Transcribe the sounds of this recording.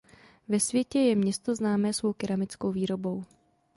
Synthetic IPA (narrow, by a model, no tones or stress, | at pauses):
vɛsvjɛcɛjɛmɲɛst̪o̞znaːmɛːsvo̞wkɪɾamɪt͡sko̞wviːɾo̞bo̞w